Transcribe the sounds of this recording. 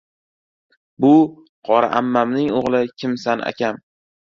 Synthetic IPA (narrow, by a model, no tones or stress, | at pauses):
bʊ | qʰɒɾa̰ʔamːamnɪŋoʁlˠɪkʲʰɪmsana̰kʲʰam